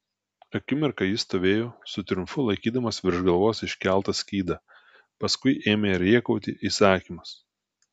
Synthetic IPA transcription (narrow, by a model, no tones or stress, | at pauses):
ɐkʲɪmʲɛɾkɐjɪst̪oːʋʲeːjoːsʊt̪ʲɾʲʊmfʊlˠɐɪkʲiːd̪ɐmɐsʋʲɪɾʒɡɐlˠʋoːsɪʃʲkʲæˑlˠt̪ɐsʲkʲiːd̪ɐ | pɐskʊɪʔeːmʲeɾʲiɛkɔʊt̪ʲiʔiːsɑːkʲiːmɐs